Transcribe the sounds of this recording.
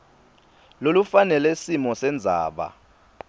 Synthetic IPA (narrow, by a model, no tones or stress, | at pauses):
lolufanɛlɛsimɔsɛnd͡zʱa̰ːɓa̰